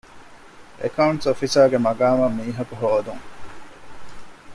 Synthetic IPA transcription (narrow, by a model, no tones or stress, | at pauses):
ʔḛkɐuɳʈsofisaːɡemɐɡaːmɐmːiːɦɐkuɦoːd̪uŋ